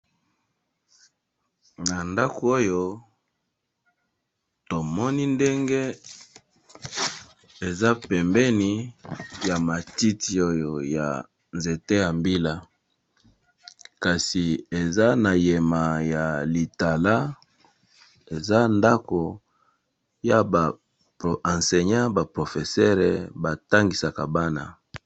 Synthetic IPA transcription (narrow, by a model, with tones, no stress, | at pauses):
na˨nda˦ko˨o˦jo˦ | to˨mɔ˦ni˦nde˦ŋɡe˦ | e˨za˦pɛ˨mbɛ˦ni˦ja˨ma˨ti˦ti˨o˦jo˨ja̰˨ | nze˨te˦ja˨mbi˦la˦ | ka˨si˨e˨za˦na˨je˨ma˨ja˨li˨ta˨la˦ | e˨za˦nda˦ko˨ | ja˨ba˨ | ã˨nse˨ɲã˦ba˨pʁo˨fe˨sɛ˦ʁɛ˨ba˨ta˦ŋɡi˨sa˨ka˨ba˦na˨